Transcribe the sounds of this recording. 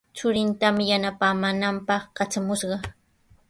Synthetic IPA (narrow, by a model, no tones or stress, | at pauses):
t͡sʊɾɪnt̪amɪjanapaːmaːnampɑχkat͡ʃamʊʃɢɑ